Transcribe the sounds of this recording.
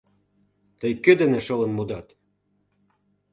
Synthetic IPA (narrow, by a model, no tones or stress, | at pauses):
t̪əjkød̪ĕnĕʃɤ̆lə̆nmud̪ɑt̪